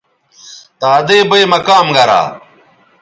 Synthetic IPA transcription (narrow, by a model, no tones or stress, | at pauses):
t̪aːd̪eːbɐjmɐkaːmɡɐɾa̰ː